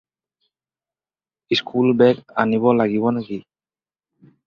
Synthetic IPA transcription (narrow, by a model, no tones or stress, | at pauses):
iskʰulbɛka̰nibɔlaɡiβɔnaɡi